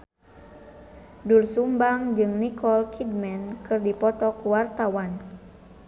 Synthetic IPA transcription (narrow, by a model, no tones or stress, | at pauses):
dulsumbaŋd͡ʒɨŋnikɔlkʰidmɛnkɨrdipɔt̪ɔkuwart̪awan